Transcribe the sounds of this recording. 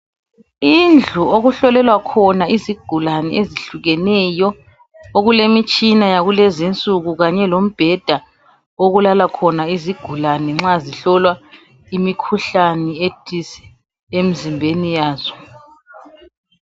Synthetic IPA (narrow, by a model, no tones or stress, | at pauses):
ind͡ɮʱuoɣuɬɔlɛlwakʰɔnaiziɡ̥ʱulanɛʔeziɬuɣɛnɛjɔ | oɣulemit͡ʃʼinajaɣulezint͡sʼuɣuɣaɲɛlom̩b̥ʱɛd̥ʱa | oɣulalakʰɔnaiziɡ̥ʱulanɛŋ͡ǁaziɬɔlwa | imikʰuɬanɛetʰisɛ̥ | em̩zimbʱenijaːz̥ɔ̥